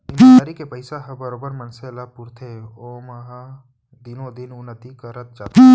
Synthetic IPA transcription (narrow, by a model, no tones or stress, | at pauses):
ɪ̃naːɾikepəɪsaɦɐbəɾoːbəɾmɐnselapuɾt̪ʰeoːmɐɦa | d̪ɪnõd̪ɪnʊnːət̪ikaɾət̪̚d͡ʒaːt̪e